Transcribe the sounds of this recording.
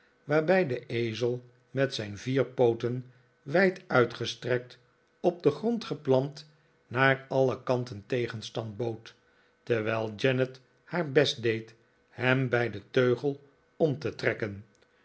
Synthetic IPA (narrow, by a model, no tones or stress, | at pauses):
ʋaːɹbɛjdəʔejzəlˠ | mɛtsɛjnviːɹpowtən | ʋɛjtœɥtχəstrɛk̚t | ɔb̚dəχrɔntχəplɑnt | naːɹɑləkɑntəntejχənstɑnd̚bowt | təɹʋɛɪlˠd͡ʒɛnət | haːɹbɛsdejt | hɛmbɛjdətøɥχəlˠ | ɔmtətrɛkən